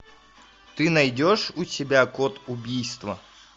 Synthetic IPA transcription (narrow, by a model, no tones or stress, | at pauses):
t̪ɨnɐjdʲoʂʊsʲɪbʲakot̪ʊbʲijst̪vɐ